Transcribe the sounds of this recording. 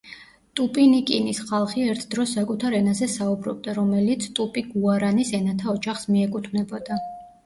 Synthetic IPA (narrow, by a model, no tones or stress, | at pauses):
t̪ʼupʼinikʼinisχalˠχiɛɾt̪ʰd̪ɾɔsːakʼut̪ʰaɾɛnazɛsaubɾɔ̰b̚d̪aɾɔmɛlit̪sʰt̪ʼupʼiɡuaɾanisɛnat̪ʰaɔd͡ʒaχsmiɛkʼut̪ʰvnɛbɔd̪a